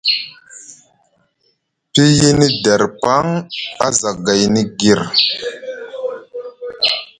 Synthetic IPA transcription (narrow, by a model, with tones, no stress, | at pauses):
pi˦ji˦ni˦da˨ɾpa˦ŋa˦za˨ɡa˨jni˦ɡi˨ɾ